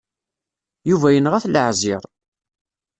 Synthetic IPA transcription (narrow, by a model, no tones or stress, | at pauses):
juvæjənʁæθlʕziɾˤ